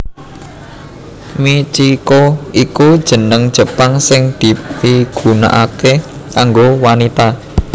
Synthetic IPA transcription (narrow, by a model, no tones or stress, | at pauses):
mit͡ʃikoikud̥ʒ̥ə̤nəŋd̥ʒ̥ə̤paŋsɪŋd̪̥i̤piɡ̥ṳna̰ʔakekaŋɡowanit̪a